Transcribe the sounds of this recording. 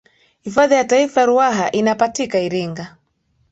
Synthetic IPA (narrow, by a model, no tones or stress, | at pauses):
hifaðijataifajaɾuaɦaʔinapatikaiɾiŋɡa